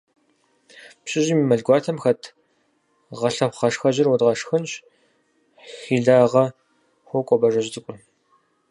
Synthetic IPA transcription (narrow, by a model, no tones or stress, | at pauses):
pɕʼɪʑiːmimɐɮɡʷɑːtʰɐmxɐtʰ | ʁɐɬɐpχɐʂxɐʑɪrwɔdʁɐʂxɨnɕ | xiːɮaːʁɐ | xʷɔkʷʼɔbɐʐɐʒt͡sʼɨkʷʼʊ